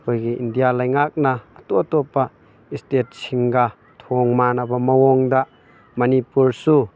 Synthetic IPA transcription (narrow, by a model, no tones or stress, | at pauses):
kojɡiʔindijalajŋak̚nɐːtut̪ɔpːa | istet̚siŋɡa | t̪ʰɔŋmanɐbɐmɐwɔŋda | mɐnipuɾsu